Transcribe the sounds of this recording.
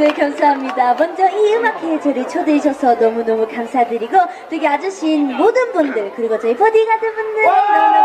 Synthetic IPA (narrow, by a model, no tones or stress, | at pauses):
ne̞kʌmsʰaɦamɲidamʌnd͡ʑʌiɯmakʰe̞t͡ɕʌɾit͡ɕʰodeɕʰʌsʰʌnʌmunʌmukamsʰadɯɾiɡo | tɯɡead͡ʑuɕʰiːnmodɯnbundɯɭkɯɾiɡʌt͡ɕʌipʰʌdiɡadebundɯ